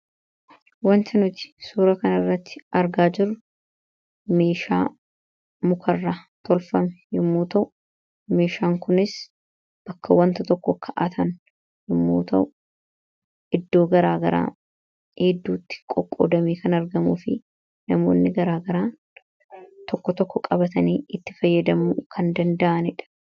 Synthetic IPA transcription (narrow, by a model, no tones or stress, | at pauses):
wɐnt̪ɐnʊt̪ɪ̥suːɾɐkɐnɐrːɐt̪ːɪ̥ɐɾɡaːd͡ʒɪrːʊ | me̞ːʃa̰ː | mʊkʰɐrːat̪ʰɔlfɐmɛ̥jɪmːuːt̪ɐʔʊ | me̞ːʃaːŋkʊnɪs | b̥ɐkːɐwɐnt̪ɐt̪ɔkːɔkʰɐʔɐt̪ʰɐn | hɪmːo̰ːt̪ɐʔʊ | ʔɪd̪ːo̞ːɡɐɾaːɡɐɾa̰ː | hed̪ːuːt̪ːɪ̥kʼɔkʼːo̰ːd̪ɐmeːkʰɐnɐɾɡɐmuːfɪ | nɐmo̞̰ːnːɪɡɐɾaːɡɐɾaː | t̪ɔkːɔt̪ɔkːɔkʼɐbɐt̪ɐniːɪt̪ːɪ̥fɐjːɐd̪ɐmukʰɐnd̪ɐnd̪ɐʔɐnɪᶑɐ̥